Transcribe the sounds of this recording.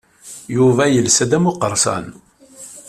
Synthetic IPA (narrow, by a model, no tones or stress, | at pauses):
juvæjəlsæd̪æmuqəɾˤsɑ̰n